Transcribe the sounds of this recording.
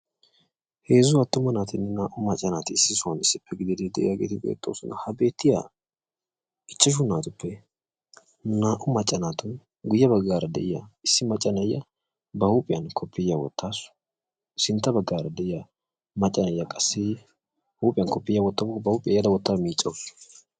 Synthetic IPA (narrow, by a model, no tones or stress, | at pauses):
he̞ːzʊɐt̪ːʊmɐnaːt̪ɪnːɪnaːʔʊmɐt͡ʃʼːɐnaːt̪ɪɪsːɪsʊɐnɪsːɪpːɛɡɪd̪ɪd̪ed̪ɛʔɪjaːɡḛːt̪ɪbʼḛːt̪ʼːo̰ːsʊnɐhɐbe̞ːt̪ːɪja̰ | ɡɪt͡ʃːɐʃ̬ʊnːaːt̪ʊpːɛ | naːʔʊmɐt͡ʃʼːɐnaːt̪ʊn | ɡʊjːɐbɐɡːaːɾɐd̪ɛ̰ʔɪjɐ̰ɪsːɪmɐt͡ʃʼːɐnɐjːɐ | bɐhuːpʼɪjɐnkʰɔpʰːɪjːɐwɔ̰t̪ːaːsʊ̥ | ɪsɪnt̪ːɐbɐɡːaːɾɐd̪ɛʔɪjɐ | mɐt͡ʃʼːɐnɐjɐkʼɐsːɪ | huːpʼɪjɐnkɔpːɪjɐwɔt̪ːɐbbɐhuːpʼɪjɐjɐd̪ɐwɔt̪ːaːmiːt͡ʃʼːɐwɔsʊ̥